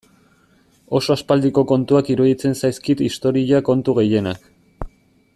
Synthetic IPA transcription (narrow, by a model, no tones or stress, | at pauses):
o̞so̞aspald̪iko̞ko̞nt̪uakiɾuðit͡se̞nsajskit̪ist̪o̞ɾiako̞nt̪uɣe̞je̞nak